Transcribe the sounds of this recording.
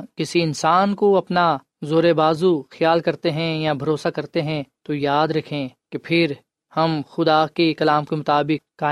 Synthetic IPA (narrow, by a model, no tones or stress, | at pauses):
kɪsiɪnsaːnkoɐpna | zoːɾebaːzuxjaːlkɐɾt̪eɦɛ̃jabʱɐɾoːsakɐɾt̪eɦɛ̃t̪ojaːd̪ɾɐkʰẽkepʰɪɾ | hɐmxʊd̪akekɐlaːmkemʊt̪aːbɪk̚ːaː